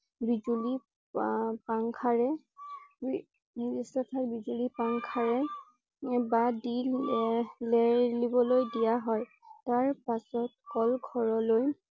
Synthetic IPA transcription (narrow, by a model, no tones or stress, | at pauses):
bizuli | paŋkʰaɹɛ | b | isatʰaɹbizulipaŋkʰaɹɛ | badi | lelibɔlojdijaɦɔj | taɹpasɔt̚kɔlɡʱɔɹɔloj